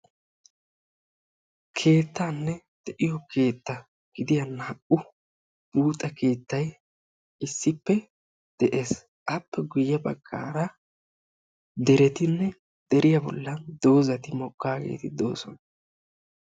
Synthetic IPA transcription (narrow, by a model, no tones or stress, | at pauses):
kʰe̞ːt̪ːanːɛ | d̪̥ɛʔɪjɔkʰe̞ːt̪ːɐ | ɡ̥ɪd̪ɪjɐnɐːʔʊ | buːt̪ʼːɐkʰe̞ːt̪ːɐj | ɪsːɪpːɛ | d̪̥ɛʔe̞ːs | ʔɐpːɛɡʊjːɐbɐɡ̥ːa̰ːɾɐ | d̪ɛɾɛt̪ɪnːɛ | d̪̥ɛɾɪjɐbɔ̰lːɐnd̪o̞ːzɐt̪ɪmɔkʼːaːɡḛːt̪ɪd̪o̞̰ːsɔnɐ